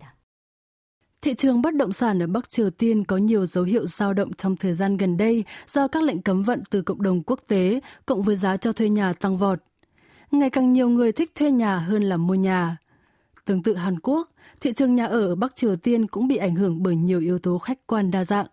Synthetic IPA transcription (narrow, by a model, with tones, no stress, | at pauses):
t̪ʰḭ˧˨t͡ɕɨ˨˩əŋɓə˦˥t̚ɗə̰˧˨wŋ͡msaː˧˩nʔəː˧˩ɓa˦˥k̚t͡ɕi˨˩əwt̪i˧ənkɔ˨˦ɲi˨˩əwzə˨˦wɦḭ˧˨əwzaː˧wɗə̰˧˨wŋ͡mt͡ɕɔ˧wŋ͡mt̪ʰəː˨˩jzaː˧nɣə˨˩nɗə˧jz̥ɔ˧kaː˦˥la̰˧˨jŋ̟kə˨˦mvə̰˧˨nt̪ɨ˨˩kə̰˧˨wŋ͡mɗə˨˩wŋ͡mku˦˥ək̚t̪e˨˦kʊ̰˧˨wŋ͡mvəː˨˦jzaː˨˦t͡ɕɔ˧t̪ʰwe˧ɲaː˨˩t̪a˧ŋvɔ˨˩t̚ | ŋa˨˩jkaː˨˩ŋɲi˨˩əwŋɨ˨˩əjt̪ʰï˦˥k̚t̪ʰwe˧ɲaː˨˩ɦəː˧nlaː˨˩mu˧əɲaː˨˩ | t̪ɨ˨˦əŋt̪ɨ̰˧˨ɦaː˨˩nku˦˥ək̚ | t̪ʰḭ˧˨t͡ɕɨ˨˩əŋɲaː˨˩ʔəː˧˩ʔəː˧˩ɓa˦˥k̚t͡ɕi˨˩əwt̪i˧ənkʊ̰˧˥ŋ͡mɓḭ˧˨ʔa˧˩jŋ̟ɦɨ˧˩əŋɓəː˧˩jɲi˨˩əwʔi˨˦əwt̪o˨˦xa˦˥jk̟̚kwaː˧nɗaː˧za̰ː˧˨ŋʔ